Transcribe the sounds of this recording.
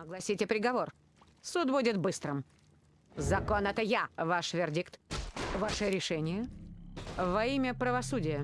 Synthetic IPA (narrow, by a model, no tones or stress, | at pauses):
ɐɡlˠɐsʲitʲɪpɾʲɪɡɐvor | sut̪budʲɪt̪bɨst̪ɾəm | zɐkonɛt̪əjavaʂvʲɪrdʲikt̪vaʂɨɾʲɪʂɛnʲɪjə | vɐimʲəpɾəvɐsudʲɪjə